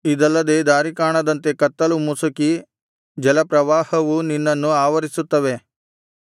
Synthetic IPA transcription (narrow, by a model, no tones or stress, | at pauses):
id̪ɐlːɐd̪ed̪aːɾikaːɳɐd̪ɐnt̪e̞kɐt̪ːɐlumusuki | d͡ʒɐlɐpɾɐʋaːhɐʋuninːɐnːuaːʋɐɾisut̪ːɐʋe̞